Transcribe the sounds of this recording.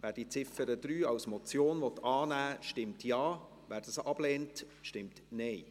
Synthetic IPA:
ʋæːɾd̥it͡sɪfəɾəd̪̥ɾyːɑwsmɔt͡sjoːnvɔtɑːnæːʃtɪmtjɑː | væːɾdəsɑb̥leːnt | ʃtɪmtnɛɪ

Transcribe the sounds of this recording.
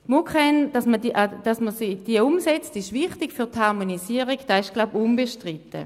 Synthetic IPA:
mukχɛnd̥ɑsmədiʔd̥ɑsməsid̥iəʊmsɛt͡stɪʃʋɪχtikfyɐthaʁmonisiəʁiɡd̥ɑɪʃɡ̥laʊbunbeʃtʁitə̰

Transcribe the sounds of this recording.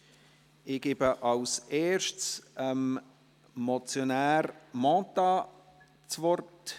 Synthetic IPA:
ɪɡ̥ebəʔɑwseːɾʃtsəm | mot͡sjonæːɾmɑ̃ːtɑ | t͡svɔrt

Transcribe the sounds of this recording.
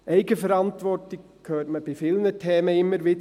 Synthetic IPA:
ʔɛɪɡəfəɾɑntʋɔrtɪk | kʰːøːtməb̥ɪfɪlnətʰɛːməɪmːəɾʋɪd

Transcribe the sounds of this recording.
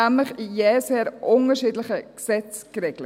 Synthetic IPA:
æmləχijɛːseːɾʔʊŋəʃiːdləχəksɛt͡skɾeːɡlə

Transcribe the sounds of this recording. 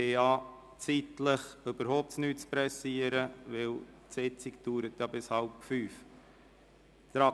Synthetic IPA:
eɑ | t͡sitləχøbəɾhoʊp̚t͡snyːt̚t͡spɾɛsiəɾəʋɪltsɪt͡sikd̥uːɾət̪jɑbɪshɑlpfyːf | t̪ɾɑ

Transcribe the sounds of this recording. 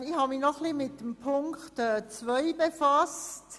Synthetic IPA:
ɪhɑminɔχlimɪt̚dəmpʰʊŋkχtɛːt͡svœʏbefɑst

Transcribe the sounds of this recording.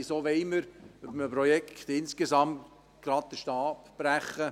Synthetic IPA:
ɪsoːʋɛɪməɾœbəməpɾɔjɛkt̪ɪnskesɑmt | ɡ̥ɾɑd̚d̥̪əʃtɑːpb̥ɾæχːə

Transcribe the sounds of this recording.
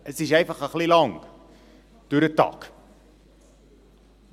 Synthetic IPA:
əsdiʃɛjfəχəχlilɐŋ | duɾətɑ̰k

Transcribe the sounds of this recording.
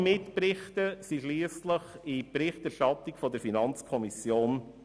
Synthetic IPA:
mɪtprɪχtəsiʃliːəstləχipɾɪχtæɾʃtɑt̪ikfɔdəɾfinɑnt͡skʰɔmisjoːn

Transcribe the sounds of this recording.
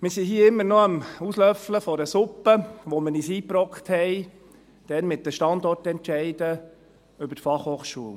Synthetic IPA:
mɪɾsiɦiːɪmːəɾnoəmuslœfləfɔɾəsʊpːəʋoməniːsiːpɾɔkχt̪hɛɪ | d̥ɛnmɪt̚dəʃtɑnd̪ɔrtɛntʃɛɪdə | ʏbətfɑχhoːχʃuəl

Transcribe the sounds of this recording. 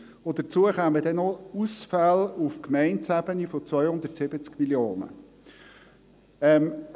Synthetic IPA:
od̥ət͡suəχaːməd̥ɛnɔusfalufkmɛɪntsæbənifot͡svœʏhʊnd̪əɾtsɪbət͡skmiljoːnə̰ | ɛm

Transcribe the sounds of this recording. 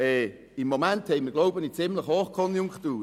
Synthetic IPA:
ɛ | ɪmːomænthɛɪməɡloʊbənit͡sɪmləχhoːχkʰɔnjʊŋktuː

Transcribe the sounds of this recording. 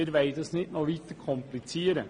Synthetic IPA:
əɾʋæɪd̪əsnɪt̪noːʋit̪əkʰɔmplɪt͡seːɾə

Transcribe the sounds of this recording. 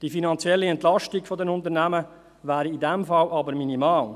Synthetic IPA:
d̥ifinɑnt͡sjɛlːiɛntlɑʃtiɡfɔdɛnʊntəɾnæmə | ʋæːɾiːdɛmfɑlʔɑbəɾminimɑːl

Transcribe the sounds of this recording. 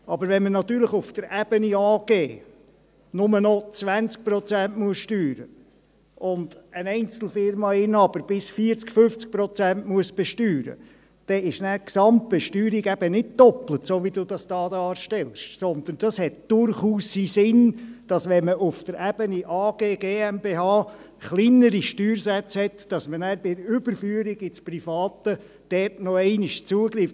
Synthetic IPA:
ɑbəɾvʋɛnmənɑt̪yːɾləχʊfd̥̪əɾʔæb̥əniɑːɡ̥eː | nʊmənɔt͡sʋænt͡sk̚pɾɔt͡sæntmuəsʃtyːɾə̰ | ʔʊnd̪ənɛɪnt͡sl̩fɪɾmɑɪnɑb̥əɾb̥ɪsfiəɾt͡skfʏft͡sk̚pɾɔt͡sæntmuəsb̥ɛʃtyːɾə̰ | d̥ɛɪʃnæːɾksɑmt̚b̥ɛʃtyːɾiɡæb̥ənɪt̚d̥ɔplətsoːʋidudɑsd̥ɑːdɑːɾʃtɛlʃsɔnd̪ənd̥ɑshɛt̚d̥ʊɾχuːsːisɪnd̥ɑsʋɛnməʔʊfd̥əɾæb̥əniʔɑːɡ̥eːɡeːɛmbeːhɑː | χlinəɾiʃtyːɾsæt͡shɛt̪d̥ɑsmənæːɾbɪʏb̥əɾfyəɾiɡɪt͡sprifɑːt̪ə | d̥ɛrtnɔɛɪnɪʃt͡suːəɡɾiːf

